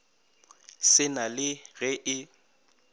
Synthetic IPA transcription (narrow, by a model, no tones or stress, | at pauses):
sɪnalɪɣɛʔɪ